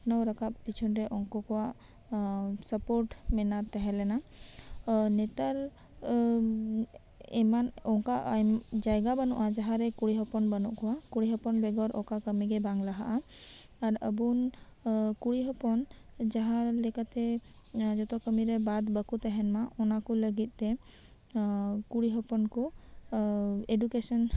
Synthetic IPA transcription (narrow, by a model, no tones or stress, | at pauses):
nɔwɾakaʔ̚pit͡ʃʰɔnɾɛʔɔŋkɔkɔwaʔ | səpoɾʈmɛnat̪ɛɦɛ̃lɛna | nɛt̪aɾ | ɛmanɔŋkaʔd͡ʒajɡabənuʔad͡ʒaɦaɾɛkuɽiɦɔpɔnbənuʔkɔwakuɽiɦɔpɔnbɛɡɔɾʔɔkakəmiɡɛbaŋlaɦa̰ʔaː | ɾəbun | kuɽiɦɔpɔn | d͡ʒaɦãlɛkat̪ɛ | d͡ʒɔt̪ɔkəmiɾɛbad̪bəkut̪ɛɦɛnmaɔnakuləɡit̪̚ˀt̪ɛ | kuɽiɦɔpɔnku | edukesɔn